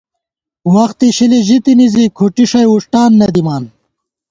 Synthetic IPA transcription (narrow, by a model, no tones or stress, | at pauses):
wɐxt̪iɕiliʑit̪inizikʰuʈiʂɐjuʂʈaːnːɐd̪imaːn